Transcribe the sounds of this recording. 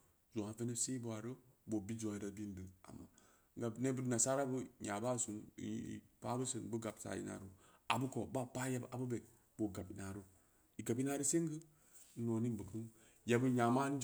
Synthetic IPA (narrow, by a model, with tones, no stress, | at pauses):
zo˨a˨ve˦ne˦si˦bo˦a˨ɾo˦bo˨bi˦d͡ʒo˨i˦ɾa˦bi˦n˦dɨ˨a̰˨mːa̰˨˦ | ɡa˨bne˦bə˦na˨sa˦ɾa˦bə˦ɲa˨ba˦˨su˨n̰˨˦ḭ˨pa˦bə˦sə˨nbə˦ɡa˨p̚sa̰˨jḭ˦na̰˨ɾu˦a̰˨bə˦ko˨ba˦˨pa˦ja˦ba˨bə˦be˨k̚ | b̥o˨ɡa˨pi˨na˨ɾo˦ | i˨ɡa˨pi˦na˦ɾə˦se˦ŋ˦ɡɨ˦ | no˨ni˦nbə˨kɨ˦n | ja˦bə˦ɲa˨ma˦n˦d͡ʒ